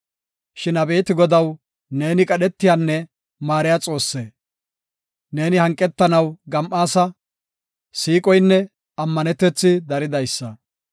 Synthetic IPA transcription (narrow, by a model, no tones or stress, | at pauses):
ʃɪnɐbe̞ːt̪ɪɡɔd̪ɐw | ne̞ːnɪkʼɐɗɛt̪ːɪjaːnːɛ | maːɾɪjaːt͡sʼo̞ːsːeː | ne̞ːnɪhɐŋkʼːɛt̪ːɐnɐwɡɐmʔaːsɐ | siːkʼɔjnːɛ | ɐmːɐnɛt̪ːɛt͡sːɪd̪ɐɾɪd̪ɐjsːɐ